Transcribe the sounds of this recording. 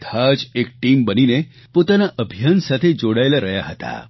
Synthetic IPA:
t̪ʰad͡ʒek̚ʈimbənine | pot̪anaʔəbʱijansat̪ʰed͡ʒoɽaelaɾəɦja̰ɦət̪a̰

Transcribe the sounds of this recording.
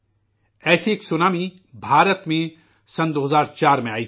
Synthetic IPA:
ɛːsieːksʊnaːmi | bʱaːɾət̪mẽ | sɐnd̪oːɦəzaːɾt͡ʃaːɾmẽaːi

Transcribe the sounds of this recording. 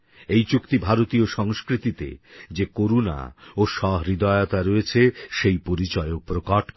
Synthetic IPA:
ejt͡ɕukt̪ibʱaɾot̪ioʃɔŋskɾit̪it̪ḛd͡ʑekoɾuna̰oʃɔɦɾid̪aeot̪aɾoet͡ɕʰeʃejpoɾit͡ɕɔeopɾokaʈ

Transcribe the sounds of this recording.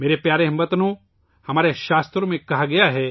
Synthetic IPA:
meːɾepjaːɾeɦɐ̃mbət̪nõ | hɐmaːɾeʃaːst̪ɾomẽkɐɦaɡɐjaɦɛː

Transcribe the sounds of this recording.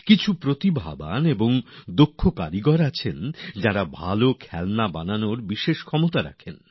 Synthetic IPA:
kit͡ɕʰupɾot̪ibʱa̰ba̰neboŋd̪okʰːokaɾiɡɔɾat͡ɕʰend͡ʑaɾabʱa̰lokʰɛlnabananoɾbiʃeʃkʰɔmot̪aɾa̰kʰen

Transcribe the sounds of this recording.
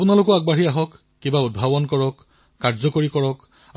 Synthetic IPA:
punalʊkɔaɡ̚baɦiaɦɔkː | ĩmbaud̚bʱabɔnkɔɹɔkː | aɹzɔkoɹikɔɹɔk

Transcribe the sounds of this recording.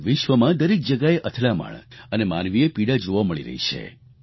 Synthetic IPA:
ʋɪʃʋəmãd̪əɾek̚d͡ʒəɡaeʔət̪ʰlama̰ɭənemanʋiepiɽad͡ʒoʋaməɭiɾə̰ɦḭt͡ʃʰḛ

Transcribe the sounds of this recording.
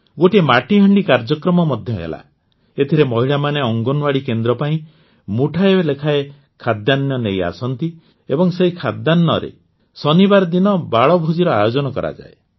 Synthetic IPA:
ɡoʈimaʈiɦɔɳɖikaɾd͡ʒɔkɾɔmɔmɔd̪ʱjɔɦḛla̰ | et̪ʰiɾemɔɦiɭamaneɔŋɡɔnwaɽikend̪ɾɔpaĩ | muʈʰaebelekʰae | kʰad̪janːjɔneja̰sɔnt̪i | ebɔŋseikʰad̪ːanːɔ̰ɾḛ | sɔnibaɾɔd̪inɔbaɭɔbʱud͡ʒiɾɔajod͡ʒɔnɔkɔ̰ɾʔa̰d͡ʒa̰e

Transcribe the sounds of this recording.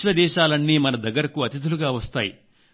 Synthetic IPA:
lɐd̪ɛːʃaːlɐnːiːmɐnɐd̪ɐɡːɐɾɐkuɐt̪id̪ʱuluɡaːʋɐst̪aːjḭ

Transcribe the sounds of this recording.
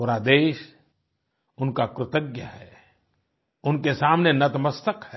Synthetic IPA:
oːɾad̪eːʃ | ʊnkakɾɪt̪əɡjaɦɛː | ʊnkesaːmnenɐt̪məst̪əkhɛ

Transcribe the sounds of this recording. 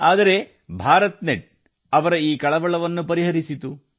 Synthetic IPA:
aːd̪ɐɾe̞ | bʱaːɾɐt̪neʈ̚ | ɐʋɐɾɐiːkɐɭɐʋɐɭɐʋɐnːupɐɾiɦɐɾisit̪u

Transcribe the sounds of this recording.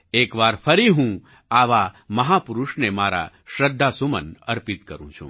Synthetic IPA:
ekʋaɾfʰəɾiɦũ | aʋaməɦapuɾuʃnemaɾa̰ | ʃɾəd̪ʱːasumə̰nəɾpit̪kəɾṵ̃t͡ʃʰṵ̃

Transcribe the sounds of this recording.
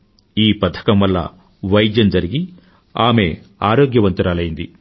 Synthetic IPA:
iːpɐt̪ʰɐ̥kɐmʋɐlːɐ̰ | ʋɐjd̪jɐmd͡ʒɐɾiɡi | aːme̞aːɾoːɡjɐʋɐnt̪uɾaːlɐjind̪i

